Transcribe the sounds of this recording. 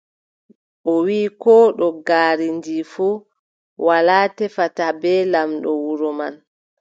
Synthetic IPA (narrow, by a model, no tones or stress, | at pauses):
ʔɔwiːkɔɗɔɡaːɾindifu | walaːtɛfatabɛlamɗɔwuɾɔma̰n